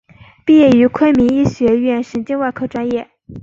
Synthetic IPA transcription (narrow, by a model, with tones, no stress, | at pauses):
pi˥˧jɛ˥˩y˧˥kʰwe˥ɪmi˧˥ŋi˥˩ɕɥɛ˧˥ɥɛ˥˩nʂə˧˥nt͡ɕi˥˧nwa˥˧ɪkʰo˥˩ʊʈ͡ʂwa˥njɛ˥˩